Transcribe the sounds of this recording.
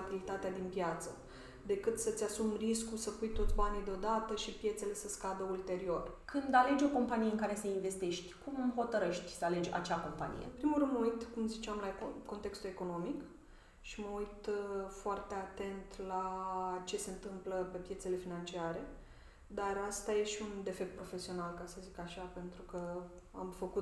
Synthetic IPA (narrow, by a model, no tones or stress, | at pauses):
bilit̪at̪ead̪inpjat̪sə | d̪e̞kɨt̪sət̪sʲasumriskusəpujt̪o̞t̪sʲbanijd̪eod̪at̪əʃipje̞t̪se̞le̞səskad̪əult̪e̞ɾio̞rkʰɨnd̪ale̞d͡ʒʲo̞ko̞mpanijeɨŋkaɾe̞səinve̞st̪eʃt̪ʲkumɨmɦo̞t̪əɾəʃt̪ʲsəale̞d͡ʒʲa̰t͡ʃako̞mpa̰nḭjḛɨmpɾimulɾɨnd̪moujt̪kumzit͡ʃeamlaekko̞nt̪e̞kst̪ue̞ko̞no̞mik | ʃiməujt̪foart̪e̞at̪e̞nt̪lat͡ʃe̞se̞ɨnt̪ɨmpləpe̞pje̞t̪se̞le̞finant͡ʃiaɾe̞ | d̪arast̪ajeʃiund̪e̞fe̞k̚t̪pɾo̞fe̞sio̞nalkasəzikaʃape̞nt̪ɾukə | a̰mfəku